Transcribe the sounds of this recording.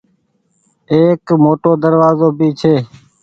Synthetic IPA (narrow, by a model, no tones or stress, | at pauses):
eːkmoːʈoːd̪əɾʋaːzoːbiːt͡ʃʰeː